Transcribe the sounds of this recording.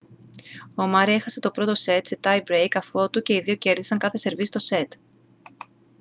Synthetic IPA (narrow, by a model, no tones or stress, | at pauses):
omɐɾie̞xɐse̞t̪o̞pɾo̞t̪o̞se̞t̪set̪ɐjbɾejkɐfo̞t̪uce̞iðioce̞ɾðisɐŋkɐθe̞se̞ɾvist̪o̞se̞t̪